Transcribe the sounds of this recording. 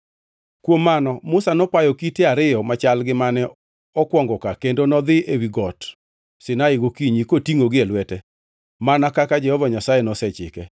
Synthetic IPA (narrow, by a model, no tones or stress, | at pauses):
kwomːanɔmʊsanɔpajɔkiteaɾɪjɔmat͡ʃalɡɪmanɛ | ɔkwɔŋɡɔkakendonɔd̪ɪewiɡɔt | sɪnaɪɡokiɲikotiŋoɡɪelwɛtɛ | manakakad͡ʒɛhɔvaɲasajɛnɔsɛt͡ʃɪ̰kɛ